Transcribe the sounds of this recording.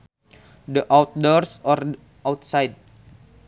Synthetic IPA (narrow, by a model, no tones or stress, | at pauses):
dəʔawt̪̚dɔrsɔrdə | ʔawt̪̚sajd̪̚